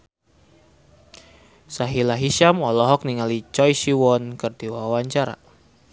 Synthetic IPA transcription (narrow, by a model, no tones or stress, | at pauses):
saɦilaɦiʃamɔlɔɦɔk̚niŋalit͡ʃɔjʃiwɔnkərdiwawaɲt͡ʃaɾa̰